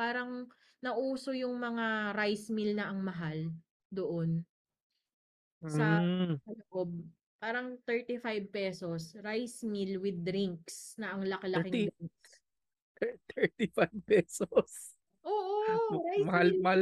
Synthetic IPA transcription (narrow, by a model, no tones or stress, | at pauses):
paːɾɐŋ | nɐʔuːsojʊŋmɐŋaɾajsmilnɐʔɐŋmɐɦal | d̪oʔon | sɐsɐloʔob̚ | paːɾɐŋt̪ɛɹt̪ifajb̚pɛsosɾajsmilwɪd̪̚ɾiŋksnɐʔɐŋlɐkɐlɐkɪd̪iŋks | t̪ɛɹt̪ifajb̚pɛsos | ʔoːʔoɾajmɐhalmɐa